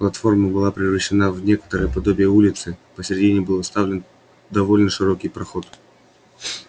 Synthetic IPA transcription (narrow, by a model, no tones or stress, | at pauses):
plˠɐt̪fo̞rməbɨlˠapɾʲɪvrəɕːɪnavnʲe̞kə̥t̪əɾəjəpɐd̪obʲɪjəulʲɪt̪sɨpəsʲɾʲɪdʲinʲɪbɨlˠst̪avlʲɪn | d̪ɐvolʲnəʂɨɾokʲɪjpɾɐxo̞t̪